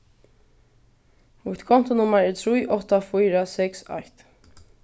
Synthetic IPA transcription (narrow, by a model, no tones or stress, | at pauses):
mut̪kʰɔn̥t̪ʊnʊmːaɹɛɹt̪ʰɾiːʔɔt̪ːafiːɾasɛksa̰ht̪